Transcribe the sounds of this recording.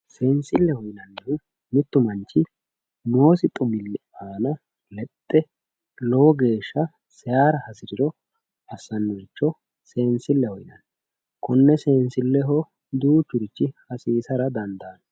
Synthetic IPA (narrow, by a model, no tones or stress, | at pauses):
seːnsɪlːɛhɔjnɐnːɛʊ | mɪt̪ːʊmɐnt͡ʃːɪ | noːsɪt̪ʼʊmɪlːɛaːnɐ | lɛt̪ʼːɛ | lɔwɔɡe̞ːʃːɐ | sɛjaːɾɐhɐsɪɾɪɾɔ | ʔɐsːɐnːʊɪt͡ʃːɔ | se̞ːnsɪlːɛhɔjnɐ̰n | kɔnːɛseːnsɪlːɛɦɔ | d̪uːt͡ʃːʊɾɪt͡ʃːɪhɐsiːsɐɾɐd̪ɐnd̪aːn